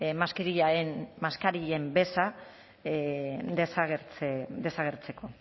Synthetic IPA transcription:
maskiɾiʎaenmaskaɾiʎe̞mbe̞sa | d̪esaɣeɾt͡sed̪e̞saɣ̞eɾt͡se̞ko̞

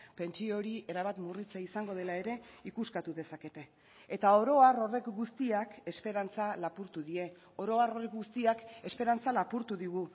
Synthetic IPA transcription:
pe̞nt͡ʃio̞ɾie̞ɾaβat̪murit͡seisaŋɡo̞ðe̞lae̞ɾe̞ikuskat̪uðe̞sake̞t̪e̞ | et̪ao̞ɾo̞aro̞re̞kɡust̪iake̞spe̞ɾant͡salapuɾt̪uðie̞ | o̞ɾo̞aro̞rekɡust̪iake̞spe̞ɾant͡salapuɾt̪uðiɣu

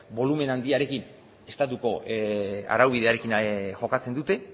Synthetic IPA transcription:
bo̞lume̞nand̪iaɾe̞kin | est̪at̪uko̞ | a̰ɾawβ̞iðe̞aɾe̞kinʝo̞kat͡se̞nd̪ut̪e̞

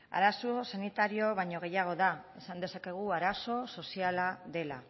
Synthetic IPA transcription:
a̰ɾasosanit̪aɾio̞βaɲo̞ɣ̞e̞jaɣ̞o̞ðae̞sand̪e̞sake̞ɣ̞uaɾaso̞so̞sialaðe̞la̰

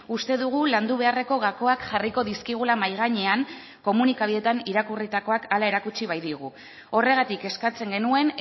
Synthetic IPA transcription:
ust̪e̞ðuɣ̞uland̪uβ̞e̞are̞ko̞ɣako̞akʝariko̞ðiskiɣ̞ulamajɣ̞aɲe̞aŋ | ko̞munikaβiðe̞t̪aniɾakurit̪ako̞akalae̞ɾakut͡ʃiβajðiɣ̞u | o̞re̞ɣ̞at̪ike̞skat͡se̞ŋɡe̞nue̞n

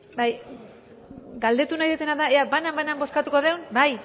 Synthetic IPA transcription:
baj | ɡald̪e̞t̪unajðet̪e̞naðaeabanambanambo̞skat̪uko̞ðe̞wnbaj

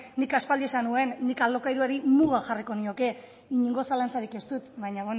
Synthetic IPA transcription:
nːikaspald̪ie̞sanue̞nːikalo̞kajɾuaɾimuɣaxariko̞nio̞ke̞ | iɲiŋɡo̞salant͡saɾike̞st̪ut̪βaɲaβon

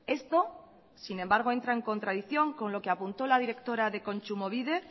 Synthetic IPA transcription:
e̞st̪o̞ | sine̞mbaɾɣ̞o̞e̞nt̪ɾae̞ŋko̞nt̪ɾaðiθjo̞ŋko̞nlo̞keapunt̪o̞lað̞iɾe̞kt̪o̞ɾaðe̞ko̞nt͡ʃumo̞βiðe̞

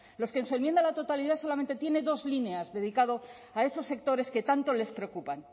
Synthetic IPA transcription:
lo̞skensue̞nmje̞nd̪alat̪o̞t̪aliðaso̞lame̞nt̪et̪je̞neðo̞zlineazðe̞ð̞ikaðo̞ | ae̞so̞sːe̞k̚t̪o̞ɾe̞ske̞t̪ant̪o̞le̞spɾeokupan

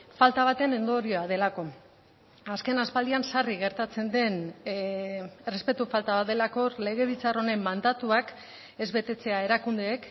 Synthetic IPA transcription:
falt̪aβ̞at̪e̞ne̞nd̪o̞ɾio̞að̞e̞lako̞ | aske̞naspald̪iansariɣ̞e̞ɾt̪at͡se̞nd̪e̞n | re̞spe̞t̪ufalt̪aβad̪e̞lako̞le̞ɣe̞β̞it͡saro̞nemːand̪at̪uak | e̞zβe̞t̪e̞t͡se̞ae̞ɾakund̪e̞ːk

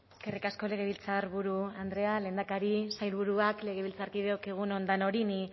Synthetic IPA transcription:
skerikasko̞le̞ɣ̞e̞βilt͡saɾβuɾuand̪ɾe̞ale̞ːnd̪akaɾisajlβuɾuakle̞ɣ̞e̞βilt͡saɾkiðeokeɣ̞uno̞nd̪ano̞ɾini

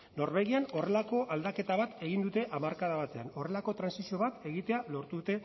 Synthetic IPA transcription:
no̞ɾβe̞ɣ̞iano̞re̞lako̞ʔald̪ake̞t̪aβ̞at̪e̞ɣind̪ut̪e̞ʔamaɾkaðaβat̪e̞ano̞re̞lako̞t̪ɾansisio̞βat̪e̞ɣit̪e̞alo̞ɾt̪uðut̪e̞

